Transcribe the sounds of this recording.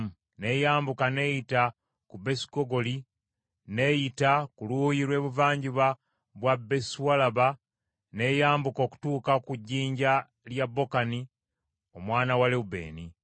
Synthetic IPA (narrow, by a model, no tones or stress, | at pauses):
ne̞jaːmbukane̞ːjita | kube̞si̥koɡo̞li | ne̞jitakulujiɾwe̞ːβuvaːɲɟiβa | βwabe̞swalaβa | ne̞jaːmbuko̞ku̥tuːkakuɟːiːɲɟa | ljabːo̞kani | o̞mwaːnawaleube̞̰ːni